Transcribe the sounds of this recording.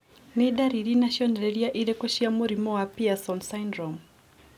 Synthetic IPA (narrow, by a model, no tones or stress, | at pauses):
niɗaɾiɾinaʃiɔndɛɾɛɾiaʔiɾɛkɔʃiamoɾimɔwapiasɔnsajndɾɔm